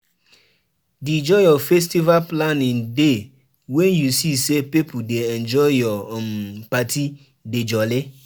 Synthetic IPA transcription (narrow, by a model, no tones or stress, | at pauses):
did͡ʒɔjɔfɛs̬tivalplanɪ̃ŋde | wɛ̃njusisepepudeɛnd͡ʒɔɪjɔmpatʰi | ded͡ʒɔlɪ